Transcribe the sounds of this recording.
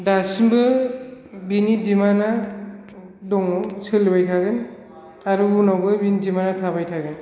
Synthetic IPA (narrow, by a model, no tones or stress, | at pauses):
dasimbɯ | binidimana | dɔŋɔwsʰɯlibajtʰaɡɯn | aɾuunawbɯbinidimanatʰabajtʰaɡɯn